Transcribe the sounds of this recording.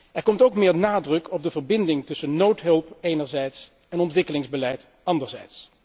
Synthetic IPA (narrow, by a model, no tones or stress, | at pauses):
ɛɹkɔmtowkmɪːɹnaːdrɵkʰɔb̚dəvəɹbɪndɪŋtɵsənnowtɦɵlˠpejnəɹzɛjts | ɛnɔntʋɪkəlɪŋzbəlɛjt | ɑndəɹzɛ̰jts